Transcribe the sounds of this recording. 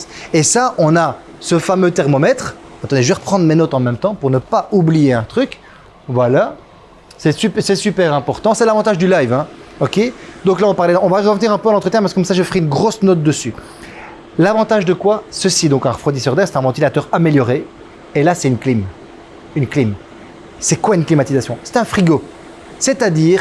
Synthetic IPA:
esaʔɔ̃na | səfamøt̪ɛʁmɔmɛt̪χat̪ɑ̃d̪eʒvɛʁəpχɑ̃d̪ʁmenɔt̪ɑ̃mɛmt̪ɑ̃puʁnəpaublijeɛ̃t̪χyk | vwala | sɛsypsɛsypɛʁɛ̃pɔʁt̪ɑ̃sɛlavɑ̃t̪aʒd̪ylajvɛ̃ɔkʲed̪ɔ̃klaɔ̃paʁlɛɔ̃vaʁəvniʁɛ̃pøalɑ̃t̪χət̪jɛ̃paʁsəkɔmsaʒefəʁɛynɡʁosnɔt̪̚d̪əsy | lavɑ̃t̪aʒd̪əkwasəsid̪ɔ̃kɛ̃ʁəfχwad̪isœʁd̪ɛʁsɛt̪ɛ̃vɑ̃t̪ilat̪œʁameljɔʁe | elasɛt̪ynklim | ynklim | sɛkwaynklimat̪izasjɔ̃sɛ̥t̪ɛ̃fχiɡo | sɛt̪ad̪iːʁ

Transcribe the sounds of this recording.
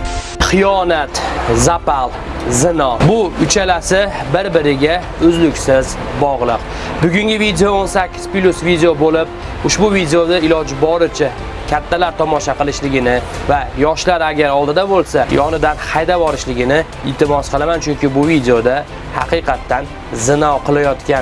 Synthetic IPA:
χɨjɒnat̪zapalˠ | zɪnɒbʊʊt͡ʃʰalasɪbɪɾbɪɾɪɡʲa | ʊzlʊkʲsɪz | bɒʁlˠɨq | bʊɡʲʊŋɡʲɪvid̪ejoonsakʲʰːɪ̥z̥plʲʊsvid̪ejobolɪp̚ | ʊʃbʊvid̪ejod̪aɪlɒd͡ʒɪbɒɾɪt͡ʃʰa | kʲʰat̪ʰːalaɾt̪ʰɒmɒʃaqɨlˠɪʃlɪɡʲɪnɪvajɒʃlaɾaɡʲaɾɒlˠd̪ɪd̪abolˠsajʔɒnɪd̪anhajd̪avɒɾɪʃlɪɡʲɪnɪ | ɪlt̪ʰɪmɒsqʰəlˠamant͡ʃʰʊŋkʲɪbʊvid̪eod̪a | hɑqɨqʰɑt̪ʰːan | zɪnɒqʰɨlˠajɒt̪kʲan

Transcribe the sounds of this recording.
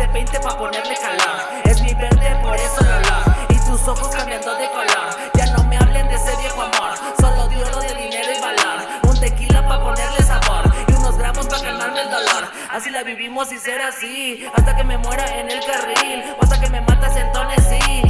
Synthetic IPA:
epejnt̪epapo̞ne̞ɾlekalaɾ | ezmiβeɾðeepoɾesoðaβlaɾisuso̞xoskamjand̪od̪ekolaɾ | ʝano̞me̞aβlend̪eseðjeɣwamaɾ | soloðjoloðeðine̞ɾoiβalaɾ | unt̪ekilapapo̞ne̞ɾlesaɣwaɾiunozɣɾamo̞spamanand̪eld̪olaɾ | asilaβiβimo̞siseɾasi | ast̪ake̞me̞mwe̞ɾaʔene̞lkarilos̬t̪akeme̞mat̪asent̪o̞nesi

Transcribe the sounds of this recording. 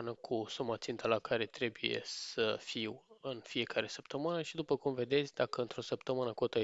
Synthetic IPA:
nəkʰusumat̪sint̪ʰəlakaɾe̞t̪ɾe̞buje̞̰ssəfiwɨnfije̞kaɾe̞səpt̪əmɨnəʃid̪upəkumve̞d̪e̞t̪sʲd̪akəɨnt̪ɾo̞səpt̪əmɨnəkot̪ə

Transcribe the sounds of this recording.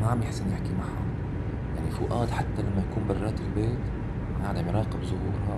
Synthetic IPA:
maʕamjɪħsɪnjɪħkimaʕa̰ | jaʕnifʊ̰ʔaːd̪ħat̪ːalamːajakuːmbɑrˤːɑːt̪ɪlbeːt̪ | maʔaʕd̪amjɾˤɑːqɪbzʊhuːɾa

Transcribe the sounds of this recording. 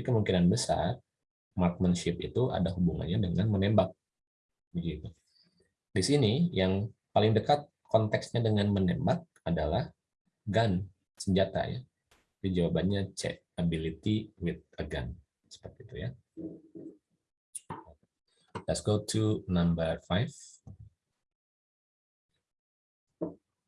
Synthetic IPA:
ikəmuŋkinanbəsa̰r | mark̪̚mənʃɪp̚it̪uʔa̰daɦubuŋa̰nɲadəŋanmənembak̚ | bəɡit̪u | disinijaŋpalɪŋdəkat̪̚ | kɔnt̪ɛksɲadəŋanmənembak̚ | adalah | ɡan | səɲd͡ʒat̪a̰ja̰ | did͡ʒawabanɲat͡ʃɛ̰k | abilit̪iwɪt̪̚əɡa̰n | sə̥pərt̪iːt̪uja̰ | lɛtsɡotʰunambərfajf

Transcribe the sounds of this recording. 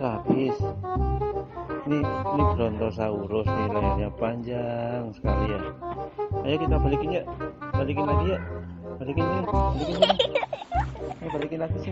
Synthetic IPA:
kab̥ɪs | ninibɾɔnt̪ɔrs̬auɾʊsnilaarɲapaɲd͡ʒaŋsə̥kalija | ajakit̪abalikiɲab̥alikinlaɡijab̥alikiɲab̥alikina | abalikinlaɡis

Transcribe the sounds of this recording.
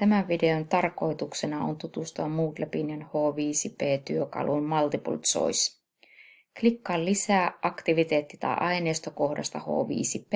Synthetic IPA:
t̪æmæʋʋide̞ont̪ɑrko̞it̪uksenɑo̰nt̪ut̪ust̪oɑmuːt̪læpinenhoːʋiːsipeːt̪yøkɑ̰lʔunmɑlt̪ipṵlt̪so̰is | klikːɑllisæːʔɑkt̪iʋit̪eːt̪ːit̪ɑ̰ʔɑineːst̪oko̞hdɑ̰st̪ɑho̰ːʋḭːsipe

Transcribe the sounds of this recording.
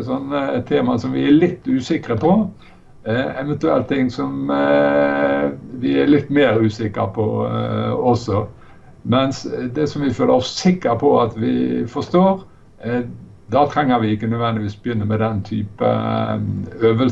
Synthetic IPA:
sɔnːt̪ʰeːmɑsɔmʋɪælɪt̪ːʉːsɪkɾəpʰɔ | ɛʋɛnt̪ʉɛ̰lt̪ɪŋːsɔm | ʋɪælɪt̪ːmeːɾʉːsɪkəɾpʰɔ | ɔsɔ | mɛnsd̪ɛsɔmʋɪføːləɾɔssɪkːəɾpʰɔɑt̪ʋɪ̰fɔst̪oːɾ | d̪ɑːt̪ʰɾɛŋːəɾʋɪɪkːənœd̪ʋɛnd̪ɪʋiːsbəjʏnːəmɛd̪ɛnt̪ʰyːpə̰ | øːʋəl

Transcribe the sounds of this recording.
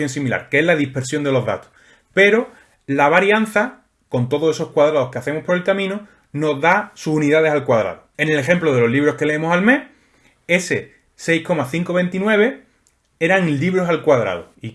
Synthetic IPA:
jonsimila̰ɾkeezlaðihpe̞ɾsjo̞nd̪e̞lo̞ɦða̰t̪o̥s | pe̞ɾo̞ | laβaɾjan̟θa | ko̞nt̪o̞ðose̞so̞hkwaðɾaðo̞hkeaθe̞mohpo̞ɾe̞lkamĩno | no̞zðasusuniðaðe̞salkwaðɾa̰ðoe̞ne̞le̞xe̞mploðe̞lo̞ɦliβ̞ɾo̞hke̞le̞emosalme̞h | e̞se̞ | sejhko̞maθiŋko̞β̞e̞nt̪inwe̞β̞e̞ | e̞ɾaŋliβɾo̞salkwaðɾa̰ðo̰i

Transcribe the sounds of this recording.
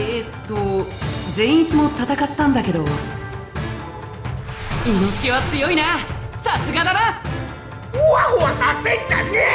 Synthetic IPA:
et̪ːod͡zẽ̞it͡sɨmo̞t̪at̪akat̪ːãnd̪ake̞d̪o | inosɨ̥keβat͡sɨjo̞inasasɨɡad̪aɾa | ahoasaset͡ɕanːe

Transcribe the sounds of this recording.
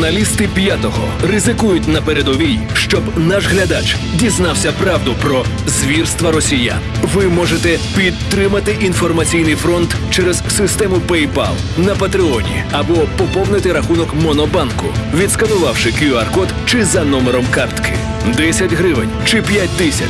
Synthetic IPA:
nɐlʲist̪ɪpʲjat̪ɔɦɔ̰rɪzɪkujʊt̚ʲnɐpeɾed̪ɔʋʲij | ʃt͡ʃɔbnaʒɦlʲɐd̪at͡ʃ | dʲiznɑwsʲɐpɾɑwd̪ʊpɾɔ | zʋʲirst̪ʋɐɾɔsʲija̰ | ʋɪmɔʒet̪ɛpʲid̪t̪ːɾɪmɐt̪ɪʔinfɔrmɐt͡sʲijnɪjfɾɔnt̪t͡ʃɛɾɛzsɪst̪ɛmʊpɛjpa̰lˠnɐpɐt̪ɾɪɔnʲḭɐbɔpɔpɔwnɪt̪ɪɾɐxunɔkmɔnɔbɑnkʊʋʲid̪skɐnʊʋɑwʃɪkiɔɐrkɔt̪t͡ʃɪzɐnɔmeɾɔmkɑrt̪kʰɪ̰ | d̪ɛsʲɐtʲɦɾɪʋɪnʲt͡ʃɪpʲjat̚ʲt̪ɪsʲɐ̰

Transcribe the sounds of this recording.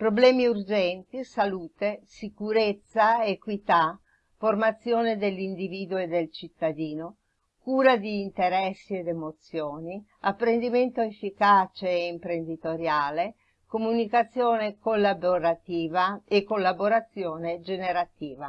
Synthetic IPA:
pɾoblɛːmiurd͡ʒɛnt̪isaluːt̪esikuɾet̪sːaekwit̪a | format̪sːjoːned̪elːind̪iviːd̪ued̪ːelt͡ʃit̪ːad̪iːno | kuːɾad̪iːnt̪eɾɛsːied̪emot̪sjoːni | apːɾend̪iment̪oefːikat͡ʃeːimpɾend̪it̪oɾjaːle | komunikat̪sːjoːnekolːaboɾat̪iːvaekːolːaboɾat̪sːjoːned͡ʒeneɾat̪iːva

